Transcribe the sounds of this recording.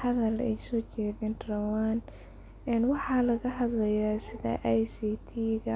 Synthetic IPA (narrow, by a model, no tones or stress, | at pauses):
hɐðɐlɛ̰jsɔːt͡ʃɛːðɛːnrɐwaːn | ɛnwɑħɑːlɐɣɐɦɐðlɐjaːsɪðɐ̰ʔɛjsiːt̪ʰiːɣɐ